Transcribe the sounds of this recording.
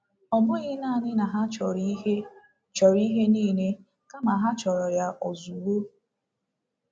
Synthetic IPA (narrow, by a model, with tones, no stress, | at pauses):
ɔ˨mɔ˦ɣɪ˦naː˦a˨nɪ˦na˨ɦa˦t͡ʃɾ | t͡ʃɔ˨ɾi˦ɦe˦niː˦˨ne˦ | ka˦ma˨ɦa˦t͡ʃɔ˨ɾɔ˨ja˦ʔɔ˨zu˨ɡ͡bo˦